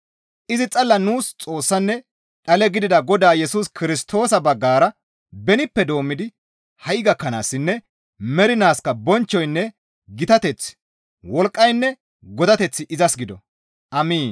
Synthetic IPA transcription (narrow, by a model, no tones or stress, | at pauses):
ʔɪzɪt͡sʼɐlːɐnuːst͡sʼo̞ːsːɐnːɛ | ᶑɐlɛɡɪd̪ɪd̪ɐɡɔd̪aːjɛsuːskɪɾɪst̪ʰo̞ːsɐbɐɡːaːɾɐ | bɛnɪpːɛd̪o̞ːmːɪd̪ɪ | hɐjɡɐkːɐna̰ːsːɪnːɛ | mɛɾɪnaːskɐbɔnt͡ʃːɔjnːɛ | ɡɪt̪ɐt̪ɛt͡sː | wɔlkʼːɐjnːɛ | ɡɔd̪ɐt̪ɛt͡sːɪʔɪzɐsɡɪd̪ɔ | ʔɐmiːn